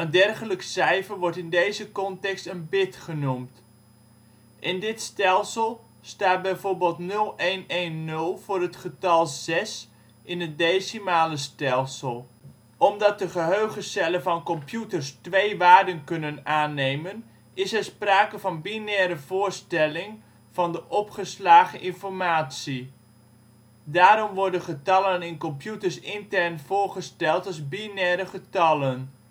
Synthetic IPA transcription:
əndɛrχələkəsɛjfəɹʋɔɹtɪndejzəkɔntɛkstənbɪtχənumt | ʔɪndɪtstɛlˠsəlˠ | staːt̚bɛjvoːɹbeːlˠtnɵlˠejnejnːɵlˠv̥ʊːrɦətχətɑlˠz̥ɛs | ɪnɦət̚dejsimaːləstɛlˠsəlˠ | ɔmdɑt̚dəχəɦøɥχəstɛləvɑnkɔmpjutəɹstʋejʋaːɹdənkɵnənaːnejmən | ɪsɛɹspraːkəvɑnbinɛːɾəvʊːɹstɛlɪŋ | v̥ɑndəʔɔpχəslaːχəʔɪnfɔɹmaːtsi | daːɾɔmʋɔɹdənχətɑlənɪnkɔmpjutəɹsɪntɛɹnv̥ʊːɹχəstɛlˠtɑlˠzbinɛɾəχətɑlən

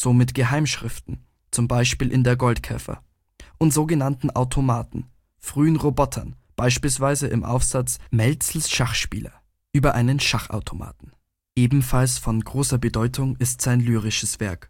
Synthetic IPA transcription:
z̥oːmɪtɡ̥əɦaɪmʃʁ̥ɪftn̩ | t͡sʊmbaɪʃpiːlʔɪndeːɐɡɔltkʰɛ̰fɐ̰ | ʔʊntz̥oːɡənantn̩ʔa̰ʊtʰomaːtn̩ | fʁ̥yːənʁobɔtʰɐ̰n | b̥aɪʃpiːlsv̥aɪzəʔɪmʔa̰ʊfz̥at͡smɛlt͡sl̩sʃaχʃpḭːlɐ̰ | ʔyːbɐʔaɪnənʃaχa̰ʊtʰoma̰ːtn̩ | ʔeːbm̩falsfɔnɡʁoːsɐbədɔʏtʰʊŋɪstz̥aɪnlyːʁɪʃəsv̥ɛɐk

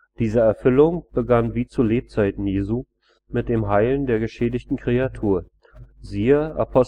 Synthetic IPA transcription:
d̥iːzəɛɐfʏlʊŋb̥əɡanviːt͡suleːp̚t͡saɪtn̩jeːzuː | mɪt̚d̥eːmɦaɪləndeːɐɡəʃeːdɪçtn̩kʁ̥eatʰuːɐ | ziːəʔa̰pʰɔs

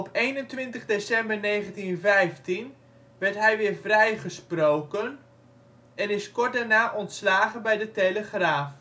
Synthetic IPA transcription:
ɔpejnəntʋɪntəχdesɛmbəɹneːɣəntinvɛjftin | ʋɛɹtɦɛjʋɪːɹvrɛjχəsprowkən | ɛnɪskɔɹt̚daɹnaːʔɔntslaːɣənbɛjdəteləχraːf

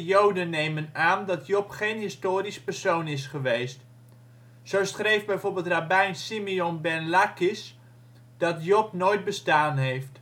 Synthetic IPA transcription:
jowdənːejmənaːndɑtjɔpχejnɦɪstoːɾispərsownɪsχəʋejst | sowsχrejvbɛjvʊːɹbɪːlˠtrabɛjnsimiɔnbɛnlakɪs | d̥ɑtjɔpnojt̚bəstaːnɦejft

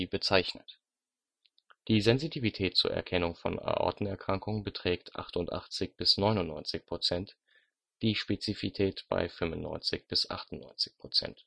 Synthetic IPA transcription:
bət͡saɪçnət | d̥iːzɛnzitʰiːvitʰɛːt̚t͡suːɐɛ̰ɐkʰɛnʊŋfɔ̰na̰ɐʔɔ̰ɐtn̩ɛɐkʁ̥aŋkʊŋənbətʁ̥ɛːktʰʔa̰χtʊntʔa̰χt͡sɪçb̥ɪsnɔʏnʊnːɔʏnt͡sɪçpʁ̥ot͡sɛnt | d̥iːʃpet͡sifitʰɛːtb̥a̰ɪfʏmvʊnːɔ̰ʏnt͡sɪçb̥ɪsʔa̰χtʊnnːɔ̰ʏnt͡sɪ̥çpʁ̥ot͡sɛ̰nt

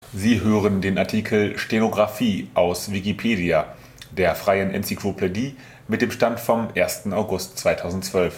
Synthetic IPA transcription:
ziːɦøːʁəndeːnaɐtʰiːkʰl̩ʃtenoɡʁafiːʔaʊsvikipʰeːdia | d̥eːɐfʁ̥aɪənʔɛ̰nsikʰl̥opʰediː | mɪt̚d̥eːmʃtantfɔmʔeːɐstn̩aʊɡʊstt͡sv̥aɪtʰaʊzn̩tt͡sv̥œlf

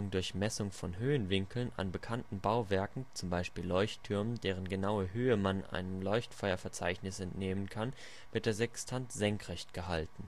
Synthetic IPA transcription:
ʊŋdʊɐçmɛsʊŋfɔnɦøːənvɪŋkl̩na̰nbəkʰantn̩baʊvɛɐkŋ̩t͡sʊmbaɪʃpiːlːɔʏçtʰːʏɐməndeːʁ̞ənɡənaʊəɦøːəmanʔa̰ɪnəmlɔʏçtfɔʏɐfɛɐt͡sa̰ɪçnɪsɛntneːmənkʰan | v̥ɪɐt̚d̥eːɐzɛkstʰantz̥ɛŋkʁ̥ɛçtɡ̥əɦaltn̩

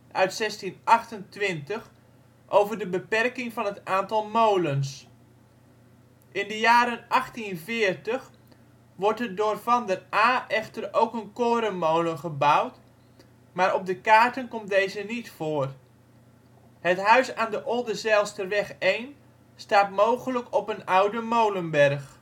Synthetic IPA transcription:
ʔœɥtsɛstinʔɑxtəntʋɪntəx | ʔowvərdəbəpɛrkɪŋfɑnətaːntɑlˠmowləns | ʔɪndəjaːɾənɑxtinvɪːərtəx | ʋɔrtədoːrfɑndəraːʔɛχtərowkənkoːɾəmowlənχəbawt | maːɾɔb̚dəkaːɹtənkɔmtdejzənitfoːr | hətɦœɥsaːndəʔɔlˠdəzɛlˠstəʋɛχejn | staːtmowχələkɔpənawdəmowlənbɛrχ

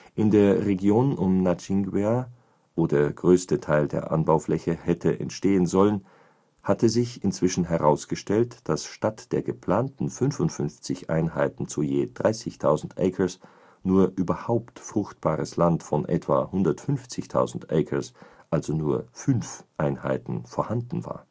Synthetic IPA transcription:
ʔɪndeːɐʁeɡjoːnʔʊmnat͡ʃɪŋɡwe | voːdeːɐɡ̥ʁøːstətʰaɪldḛːɐʔa̰nbaʊflɛçəhɛtʰəʔɛ̰ntʃteːənzɔlən | hatəzɪçɪnt͡sv̥ɪʃn̩ɦɛʁaʊsɡ̥əʃtɛltd̥asʃtatd̥eːɐɡəpʰl̥aːntn̩fʏnfʊntfʏnft͡sɪçʔa̰ɪnɦa̰ɪtn̩t͡sujeːd̥ʁaɪsɪçtʰaʊzn̩tʔɛkʰɐs | nuːɐʔyːbɐhaʊptfʁ̥ʊxt̚b̥a̰ːʁəslantfɔnʔɛ̰tv̥a̰ːhʊndɐtfʏnft͡sɪçtʰa̰ʊzn̩tʔɛɪkʰɐsʔalzonuːɐfʏnfʔaɪnha̰ɪtn̩foːɐhandn̩va̰ːɐ

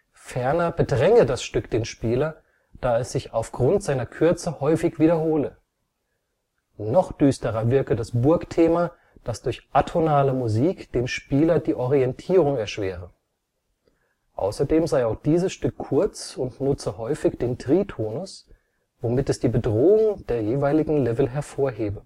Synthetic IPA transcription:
fɛɐnɐbədʁɛŋədasʃtʏkd̥eːnʃpiːlɐ | d̥aːɛsz̥ɪçaʊfɡ̥ʁʊntz̥aɪnɐkʰʏɐt͡səhɔʏfɪçv̥iːɾɐɦoːlə | nɔχd̥yːstəʁɐvɪɐkədasb̥ʊɐktʰeːma | d̥asd̥ʊɐçʔatʰonaːləmuziːkd̥eːmʃpiːlɐdiːʔɔʁiɛntʰiːʁʊŋɛɐʃv̥eːʁə | ʔa̰ʊsɐdeːmzaɪaʊxd̥iːzəsʃtʏkʰːʊɐt͡sʊntnʊt͡səhɔʏfɪçd̥eːntʁ̥iːtʰoːnʊs | vomɪtɛsd̥iːbədʁoːʊŋd̥eːɐjeːvaɪlɪɡŋ̩lɛvl̩ɦɛɐfoːɐɦeːbə

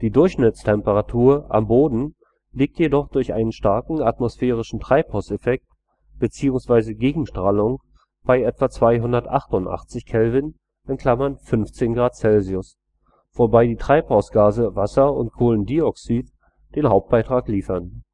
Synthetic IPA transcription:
d̥iːdʊɐçʃnɪt͡stʰɛmpəʁatʰuːɐʔa̰mboːdn̩ | liːk̚tʰjedɔχd̥ʊɐçʔa̰ɪnənʃtaɐkŋ̩atmosfɛːʁɪʃn̩tʁ̥aɪphaʊsɛfɛk̚t | b̥ət͡siːʊŋsv̥aɪzəɡeːɡŋ̩ʃtʁ̥aːlʊŋ | b̥aɪʔɛtv̥at͡sv̥aɪɦʊndɐtʔaχtʊntʔa̰χt͡sɪçkʰɛlvɪn | ʔɪnkʰl̥amɐnfʏnft͡seːnɡʁaːt̚t͡sɛlziʊs | v̥oːɐbaɪdiːtʁ̥aɪphaʊsɡ̥aːzəvasɐʊ̰nt̚kʰoːləndiɔksiːt | d̥eːnɦaʊp̚t̚b̥aɪtʁ̥aːkliːfɐn

